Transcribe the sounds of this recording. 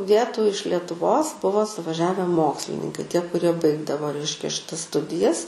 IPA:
ˈʋʲiɛtuː ɪʃ lʲɛtʊˈʋoːs ˈbʊʋoː sʊʋɐˈʒʲæːʋʲɛ ˈmoːksʲlʲɪnʲɪŋkɐɪ ˈtʲiɛ kʊˈrʲiɛ ˈbɐɪɡdɐʋoː ˈrʲɛɪʃʲkʲɛ ʃʲɪˈtɐs ˈstʊdʲɪjɛs

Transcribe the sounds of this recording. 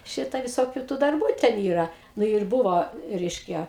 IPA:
ˈʃʲɪtɐ ʋʲɪˈsoːkʲʊ tuː dɐrˈbuː tʲɛn ˈiːrɐ ˈnʊ ɪr ˈbʊʋoː ˈrʲɛɪʃʲkʲɛ

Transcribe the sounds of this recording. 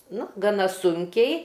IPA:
ˈnʊ ɡɐˈnɐ ˈsʊŋʲkʲɛɪ

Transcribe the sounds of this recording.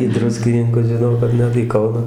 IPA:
iː ˈdrʊsʲkʲɪnʲɪŋkʊs ʒʲɪˈnɐʊ kɐt ˈnʲɛt iː ˈkɐʊnɑː

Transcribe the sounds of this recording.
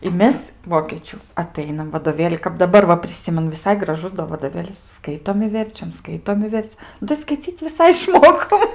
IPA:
ɪ ˈmʲɛs ˈʋoːkʲeːt͡ʃʲuː ɐˈtɐɪnɐm ʋɐdoːˈʋʲeːlʲɪ kɐp dɐˈbɐr ʋɐ pʲrʲɪˈsʲɪmʲɛnʊ ʋʲɪˈsɐɪ ɡrɐˈʒʊs doː ʋɐdoːˈʋʲeːlʲɪs ˈskɐɪtoːm ɪ ˈʋʲɛrʲt͡ʃʲɛm ˈskɐɪtoːm ɪ ˈʋʲɛrt͡s nʊ tɐɪ skɐɪˈt͡sʲiːt͡sʲ ʋʲɪˈsɐɪ ɪʃˈmoːkoːm

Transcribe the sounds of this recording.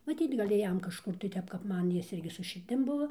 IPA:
mɐˈtʲiːt ˈɡɐlʲ ˈjɛm kɐʃˈkʊr ˈtʲɛp kɐp ˈmɐn ˈjɪs ˈɪrʲɡʲɪ sʊ ʃʲɪrʲˈdʲɪm ˈbʊʋoː

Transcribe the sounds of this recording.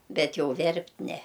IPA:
ˈbʲɛt ˈjɛʊ ˈʋʲɛrʲpʲtʲ ˈnʲɛ

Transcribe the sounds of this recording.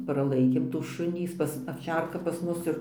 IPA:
prɐˈlˠɐɪkʲeːm tuː ˈʃʊnʲiː ˈjɪs pɐs ɐwˈt͡ʃʲɛrkɐ pɐs ˈmʊs ɪr

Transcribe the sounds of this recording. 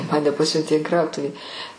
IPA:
ˈmɑːnʲɛ ˈpɑːsʲʊnʲtʲeː ɪn ˈkrɐʊtʊʋʲiː

